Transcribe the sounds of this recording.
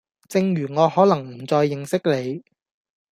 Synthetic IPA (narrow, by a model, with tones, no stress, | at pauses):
t͡sɪ˧ŋjyː˨˩ŋɔː˨˧hɔː˨˥lɐ˨˩ŋm̩˨˩t͡sɔː˧jːɪ˨ŋsɪ˥k̚le˨˧j